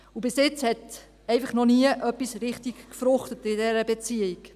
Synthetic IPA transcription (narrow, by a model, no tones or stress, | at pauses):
ubɪsjɪt͡shɛt | ɛɪfəχnɔniəʔœpisɾɪχtikkfɾʊχtətɪdɛɾəbet͡siiɡ